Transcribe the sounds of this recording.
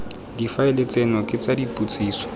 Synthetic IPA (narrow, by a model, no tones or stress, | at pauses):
difaɪlet͡senɔkʼɪt͡sadipʼut͡sʼiːsɔ̥